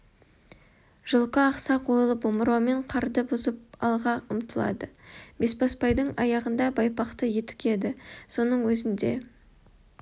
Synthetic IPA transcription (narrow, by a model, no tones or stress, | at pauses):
ʒ̥əlˠqəːqsɑqʰojlˠəpomɾɑwme̞ɴqʰɑɾd̪əbʊzəp̚ɑ̰lˠʁɑəmt̪əlˠɑ̰d̪əbe̞spɑspɑjd̪əɴɑ̰jɑʁənd̪ɑbɑjpɑqt̪əje̞t̪ɪ̥kʲe̞d̪ɪso̞nəɴwɵzɪnd̪e̞̰